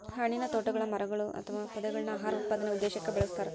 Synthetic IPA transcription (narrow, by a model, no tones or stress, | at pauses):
hɐɳinɐt̪oːʈːɐɣɐɭɐmɐɾɐɣɐɭuɐ̰t̪ʰːɐʋapɐd̪ɐɣɐɭinaːɦaːɾɐut̪̚paːd̪ɐneud̪ːeːɕɐkːebeɭɐst̪aːɾ